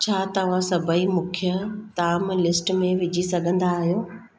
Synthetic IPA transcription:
t͡ɕʰaːt̪ɐʋ̤ãsɐbʱəimʊ̃kʰijət̪aːmlɪsʈmẽʋɪd͡ʑʱisɐɡʱə̃nd̪aːɦijoː

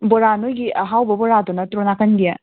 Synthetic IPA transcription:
boɾanojɡiʔɐɦawbɐbɔɾadonɐtɾonakɐnɡijɐ

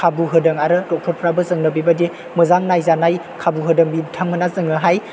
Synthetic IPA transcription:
kʰabuɦɯdɯŋaɾɯdɔk̚tʰɔɾpʰɾabɯzɯŋnɯpibadi | mɯzaŋnajzanaj | kʰabuɦɯdɯŋbitʰaŋmɯnazɯŋɯɦaj

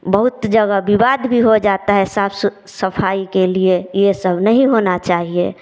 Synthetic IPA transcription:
bəɦut̪d͡ʒəɡəbibad̪bʱiɦod͡ʒat̪aɦɛsaːps | səpʰaːikeliejesəbʱnəɦĩɦonat͡ʃaːɦie

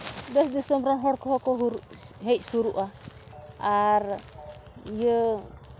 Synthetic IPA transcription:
d̪ɔsd̪isɔmɾanɦɔɽkɔɦɔkɔɦɾɦɛc̚ˀsuɾuʔaː | ɾ | jə

